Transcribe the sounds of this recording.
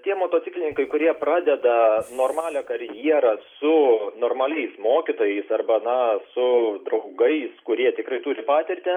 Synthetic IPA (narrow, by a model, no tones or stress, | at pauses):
t̪ʲiɛmoːt̪oːt̪ʲɪklʲɪnʲɪŋkɐɪkʊɾʲiɛprɑːd̪ʲɛd̪ɐnoːrmɑːlʲɛkɐɾʲjiɛɾɐsʊnoːrmɐlʲɛɪsmoːkʲɪt̪oːjɛɪsɐrbɐnɐsʊd̪ɾɐʊɡɐɪskʊɾʲiɛt̪ʲɪkɾɐɪt̪uːɾʲɪpɑːt̪ʲɪrʲt̪ʲɪ